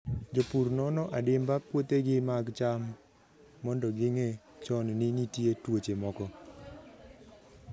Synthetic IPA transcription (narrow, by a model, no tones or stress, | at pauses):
d͡ʒopuɾnɔnɔʔadɪmbapwot̪eɡɪmaɡt͡ʃamː | ɔndɔɡɪŋe | t͡ʃɔnnɪnitjetwot͡ʃemɔkɔ